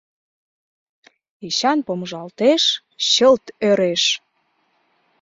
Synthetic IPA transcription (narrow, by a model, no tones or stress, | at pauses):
iɕɑnpomʒɑlt̪eʃ | ɕəlt̪øɾeʃ